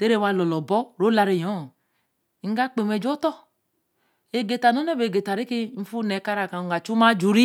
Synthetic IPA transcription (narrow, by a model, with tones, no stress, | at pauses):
te˦ɾe˦˨wa˧˨lɔ˨lɔ˨bɔ˦ɾo˨˦la˧ɾe˨jɔ˨˦˨ | ŋ̩˦ɡa˦k͡pe˨me˨d͡ʒo˦tɔ˦ | e˨ɡe˨ta˨no˨˦nɛ˦be˨ɡe˨ta˨ɾi˦ke˦m̩˦fu˦nɛ˨˦ka˦ɾa˨ka˨ɡa˨t͡ʃu˦ma˦d͡ʒu˨ɾi˦